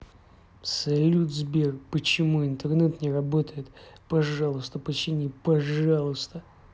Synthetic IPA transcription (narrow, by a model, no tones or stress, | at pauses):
sɐlʲud̪zbʲerkpət͡ɕɪmuɪnt̪ərnɛt̪nʲɪɾɐbot̪əjɪt̪pɐʐɑlˠəst̪əpət͡ɕɪnʲipɐʐɑlˠəst̪ə